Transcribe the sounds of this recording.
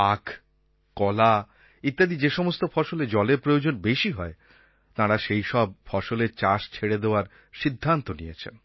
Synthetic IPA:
akʰ | kɔla | it̪ːad̪id͡ʑeʃɔmost̪ofɔʃoled͡ʑɔleɾpɾojod͡ʑonbeʃiɦɔe | t̪aɾaʃejʃɔb̚fɔʃoleɾt͡ɕaʃt͡ɕʰeɽed̪eoaɾ | ʃid̪ʱːant̪onijet͡ɕʰḛn

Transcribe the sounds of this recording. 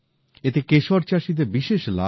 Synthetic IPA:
et̪ekeʃoɾt͡ɕaʃid̪eɾbiʃeʃla̰

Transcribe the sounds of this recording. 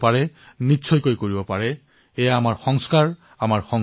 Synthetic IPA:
paɹɛnitːsʰɔjkojkoɹibɔpaɹɛ | ɛjaːmaɹxɔŋskaɹ | amaɹxɔŋ

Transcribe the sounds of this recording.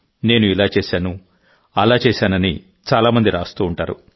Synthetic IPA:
ne̞ːnuilaːt͡ʃeːsaːnu | ɐlaːt͡ʃeːsaːnɐni | t͡ʃaːlaːmɐnd̪iɾaːst̪uːɳʈaːɾṵ

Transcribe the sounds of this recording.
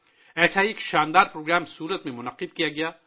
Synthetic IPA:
ɛːsaieːkʃaːnd̪aːɾpɾoːɡɾaːmsuːɾət̪mẽmʊnɐqɪd̪kijaɡɐjaː

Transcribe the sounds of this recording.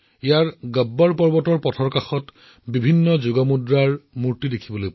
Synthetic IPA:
ijaɹɡəbːɔɹpɔɹbɔtɔɹpɔtʰɔɹkaxɔt | bibʱinːɔzuɡɔmudɹaɹmuɹtidekʰibɔloj

